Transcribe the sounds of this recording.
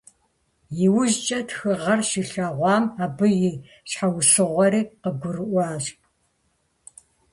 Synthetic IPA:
jɪwʊʑt͡ʃʼɐtxɨʁɐrʃɪɬaːʁʷɑːmaːbɨjɪ | ɕħawsɨʁʷɔɾiːqəɡʷʊrɨʔʷɑːɕ

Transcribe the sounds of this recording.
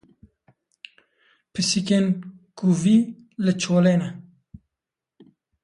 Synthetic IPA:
pʰɨsikeːnkuviː | lɨt͡ʃʰoːleːnɛ

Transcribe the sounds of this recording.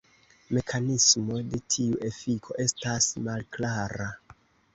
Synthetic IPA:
me̞kʰanismo̞de̞tʰiuʔe̞fikʰo̞̰ʔe̞stasmalklaɾa

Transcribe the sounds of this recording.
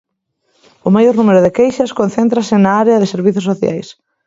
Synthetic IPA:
ʊmajoɾnumeɾʊðɪkejʃɐskon̟θɛnt̪ɾɐsɪnaaɾeɐðɪseɾβiθʊsoθja̰js

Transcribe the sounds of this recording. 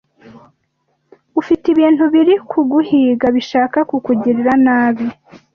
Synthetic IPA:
ufitiβiːntuβiɾikʰuɡuhiːɡaβiʃaːkakukuɟiɾiɾanaːβi

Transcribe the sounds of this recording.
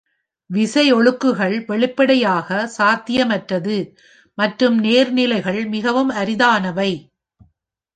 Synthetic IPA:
ʋɪsɐɪɔɭɯkːɯɣɐɭʋɛɭɪpːɐɽɐjaːɣɐsaːt̪ɪjɐmɐʈrɐðɯ | mɐʈrɯmneːɾnɪlɐɪɣɐɭmɪɣɐʋɯmɐɾɪðaːnɐʋɐɪ

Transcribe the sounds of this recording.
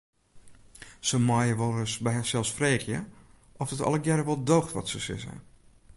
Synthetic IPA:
səmɔjəʋolˠəsbɛjəsɛlˠsfreːɣjə | ʔɔfdətɔ̰lˠəɡjɛɾəʋɔlˠdoːxtʋɔ̰tsəsɪ̰sə̰

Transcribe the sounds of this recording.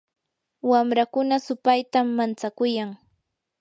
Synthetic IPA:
wamɾakʊnasʊpajt̪amːant͡sakʊjaŋ

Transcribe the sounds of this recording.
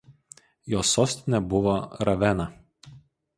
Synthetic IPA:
joːsoːsʲt̪ʲɪnʲɛbʊʋoɾɐʋʲɛnɐ

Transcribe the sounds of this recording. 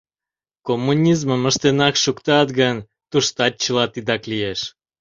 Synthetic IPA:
komːunʲizməməʃt̪enɑkʃukt̪ɑt̪ɣən | t̪uʃt̪ɑt̚t͡ɕəlɑt̪id̪ɑklijeʃ

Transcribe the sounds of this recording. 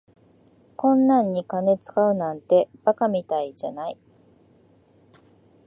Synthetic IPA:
kõ̞nːãɲ̟ːikane̞t͡sɨ̥kaɯ̟nãnt̪e̞b̥akamʲit̪aid͡ʑanai

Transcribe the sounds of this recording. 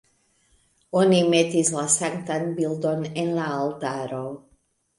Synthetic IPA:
onimɛt̪izlasaŋt̪anbild̪onɛnlaalˠt̪aːɾow

